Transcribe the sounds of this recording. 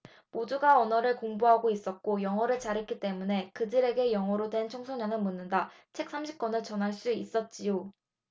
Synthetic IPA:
moduɡaʌnʌɾɯɭkoŋbuɦaɡois͈ʌt̚k͈ojʌŋʌɾɯɭt͡ɕaɾet̚k͈it͈e̞mune̞kɯdɯɾe̞ɡe̞jʌŋʌɾodwe̞nt͡ɕʰoŋsʰoɲʌnɯnmunːɯnda | t͡ɕʰe̞k̚s͈ʰamɕʰip̚k͈ʌnɯɭt͡ɕʌnɦaɭs͈uis͈ʌt̚t͡ɕ͈ijo

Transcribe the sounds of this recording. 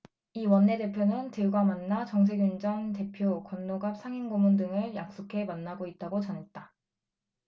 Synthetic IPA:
iwʌnːe̞de̞pʰjonɯntɯɭɡwamanːat͡ɕʌŋs̬ʰe̞ɡjund͡ʑʌnte̞pʰjokwʌnːoɡap̚s͈ʰaŋinɡomundɯŋɯɭjak̚s͈okʰe̞manːaɡoit̚t͈aɡot͡ɕʌnɦe̞t̚t͈a

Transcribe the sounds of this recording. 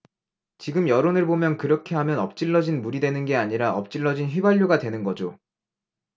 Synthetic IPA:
t͡ɕiɡɯmjʌɾonɯɭbomjʌnkɯɾʌkʰe̞ɦamjʌnʌp̚t͡ɕ͈iɭːʌd͡ʑinmuɾidwe̞nɯnɡe̞aɲiɾaʔʌp̚t͡ɕ͈iɭːʌd͡ʑinçɥibaʎːoɡadwenɯnɡʌd͡ʑo

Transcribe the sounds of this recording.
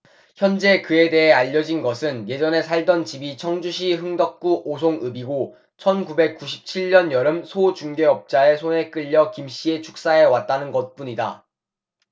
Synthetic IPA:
çjʌnd͡ʑe̞kɯe̞de̞ɦe̞aʎːʌd͡ʑinɡʌsʰɯnje̞d͡ʑʌne̞sʰaɭdʌnt͡ɕibit͡ɕʰʌŋd͡ʑuɕ̬ʰiɦɯŋdʌk̚k͈uʔos̬ʰoŋɯbiɡo | t͡ɕʰʌnkube̞k̚k͈uɕʰi̥p̚t͡ɕʰiɭːʌnjʌɾɯmsʰot͡ɕuŋde̞ʌp̚t͡ɕ͈ae̞sʰone̞k͈ɯʎːʌkimɕ͈ie̞t͡ɕʰu̥k̚s͈ae̞wat̚t͈anɯnɡʌt̚p͈uɲida̰

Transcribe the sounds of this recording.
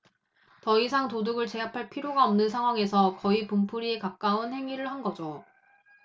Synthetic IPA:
tʌisʰaŋtoduɡɯɭt͡ɕe̞apʰaɭpʰiɾjoɡaʌmnɯnsʰaŋwaŋe̞sʰʌkʌipumpʰuɾiekak̚k͈aunhe̞ŋiɾɯɭhanɡʌd͡ʑo

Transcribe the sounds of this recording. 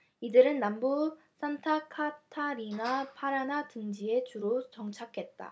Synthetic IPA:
idɯɾɯnːambu | sʰantʰakʰatʰaɾinapʰaɾanatɯŋd͡ʑie̞t͡ɕuɾot͡ɕʌŋt͡ɕʰakʰe̞t̚t͈a̰

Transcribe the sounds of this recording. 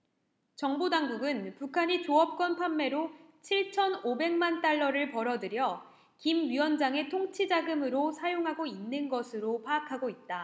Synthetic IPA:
t͡ɕʌŋbodaŋɡuɡɯnpukʰaɲit͡ɕoʌp̚k͈wʌnpʰamːe̞ɾot͡ɕʰiɭt͡ɕʰʌnobe̞ŋmant͈aɭːʌɾɯɭpʌɾʌdɯɾjʌ | kimɥiwʌnd͡ʑaŋe̞tʰoŋt͡ɕʰid͡ʑaɡɯmɯɾosʰajoŋɦaɡoinːɯnɡʌsʰɯɾopʰaːkʰaɡoit̚t͈a

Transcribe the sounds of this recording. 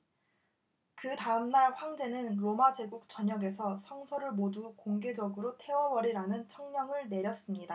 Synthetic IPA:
kɯtaɯmnaɭɸwaŋd͡ʑe̞nɯnɾomad͡ʑe̞ɡuk̚t͡ɕʌɲʌɡe̞sʰʌsʰʌŋsʰʌɾɯɭmodukoŋɡe̞d͡ʑʌɡɯɾotʰe̞wʌwʌɾiɾanɯnt͡ɕʰʌŋɲʌŋɯɭne̞ɾjʌs͈ɯmɲida

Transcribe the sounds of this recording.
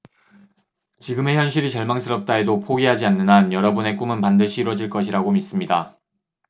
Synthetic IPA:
t͡ɕiɡɯme̞çjʌnɕʰiɾit͡ɕʌɭmaŋs͈ʰɯɾʌp̚t͈ae̞dopʰoɡiɦad͡ʑianːɯnanjʌɾʌbune̞k͈umɯnpandɯɕʰiːɾwʌd͡ʑiɭk͈ʌɕʰiɾaɡomis͈ɯmɲida

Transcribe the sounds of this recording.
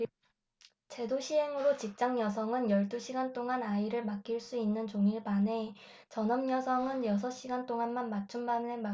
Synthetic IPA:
t͡ɕe̞doɕʰiɦe̞ŋɯɾot͡ɕik̚t͡ɕ͈aŋjʌsʰʌŋɯnjʌɭt͈uɕʰiɡant͈oŋanaiɾɯɭmak̚k͈iɭs͈uinːɯnt͡ɕoŋiɭbane̞ | t͡ɕʌnʌmɲjʌsʰʌŋɯnjʌs̬ʰʌɕ͈iɡant͈oŋanmanmat͡ɕʰumbamema

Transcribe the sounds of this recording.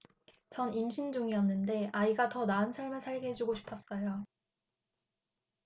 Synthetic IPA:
t͡ɕʌnimɕʰind͡ʑuŋiʌnːɯnde̞aiɡatʌnaɯnsʰaɭmɯɭsʰaɭɡeɦed͡ʑuɡoɕʰi̥pʰʌs͈ʌjo

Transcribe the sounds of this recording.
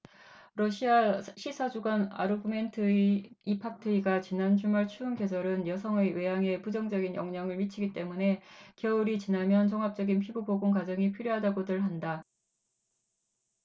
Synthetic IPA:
ɾʌɕʰiaɕʰisʰad͡ʑuɡana̰ɾubɯme̞ntʰɯipʰak̚tʰɯiɡat͡ɕinand͡ʑumaɭt͡ɕʰuːnkesʰʌɾɯnjʌsʰʌŋewe̞jaŋe̞pud͡ʑʌŋd͡ʑʌɡinjʌ̰ŋɲʌŋɯɭmit͡ɕʰiɡit͈e̞mune̞kjʌuɾit͡ɕinamjʌnt͡ɕʌŋɦap̚t͡ɕ͈ʌɡinpʰibuboɡoŋkad͡ʑʌŋipʰiɾjoɦadaɡodɯɭɦanda

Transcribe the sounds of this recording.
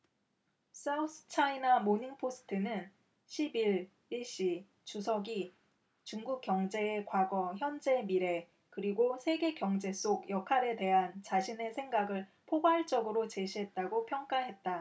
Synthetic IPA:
s͈ausʰɯ̥t͡ɕʰainamoɲiŋpʰosʰɯ̥tʰɯnɯn | ɕʰibiɭ | iɭɕ͈i | t͡ɕusʰʌɡi | t͡ɕuŋɡuk͈̚jʌŋd͡ʑe̞ːkwaɡʌçjʌnd͡ʑe̞miɾe̞ | kɯɾiɡosʰe̞ɡe̞kjʌŋd͡ʑe̞s͈oɡjʌkʰaɾe̞de̞ɦant͡ɕaɕʰine̞sʰe̞ŋɡaɡɯɭpʰoɡwaɭt͡ɕ͈ʌɡɯɾot͡ɕe̞ɕʰiɦe̞t̚t͈aɡopʰjʌŋk͈aɦe̞t̚t͈a

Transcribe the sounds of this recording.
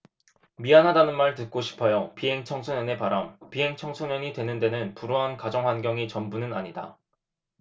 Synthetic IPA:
mianɦadanɯnmaɭtɯt̚k͈oɕʰi̥pʰʌjopiɦe̞ŋt͡ɕʰʌŋsʰoɲʌne̞paɾampiɦe̞ŋt͡ɕʰʌŋsʰoɲʌɲitwe̞nɯnde̞nɯnpuɾoɦankad͡ʑʌŋɸwanɡjʌŋit͡ɕʌmbunɯna̰ɲida̰

